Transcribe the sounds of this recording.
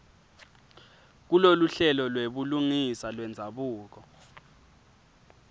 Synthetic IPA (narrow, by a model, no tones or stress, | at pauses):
k̬uloluɬɛlɔlweɓuluŋisalwɛnd͡zʱaɓuːk̬ɔ